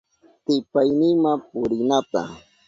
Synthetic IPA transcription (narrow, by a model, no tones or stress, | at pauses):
t̪ɪpajnɪŋmapʊɾɪnat̪a̰